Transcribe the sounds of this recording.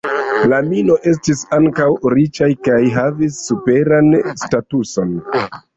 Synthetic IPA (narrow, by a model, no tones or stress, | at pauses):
lamino̞ʔe̞s̬tisaŋkawɾit͡ʃajkajɦavisːupe̞ɾanstatuso̞n